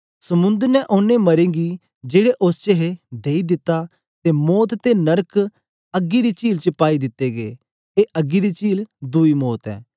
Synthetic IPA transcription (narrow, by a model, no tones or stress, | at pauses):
sɐmʊ̃nd̪əɾnɛʔʊnːẽmɐɾẽːɡi | d͡ʒeːɽeʔʊst͡ʃəɦed̪eːid̪ɪt̪ːa | t̪emɔːt̪t̪enɐɾkʰ | ɐɡːid̪it͡ʃiːlt͡ʃəpaːid̪ɪt̪ːeɡḛː | eʔɐɡid̪it͡ʃiːld̪uimɔːt̪ɛ̰ː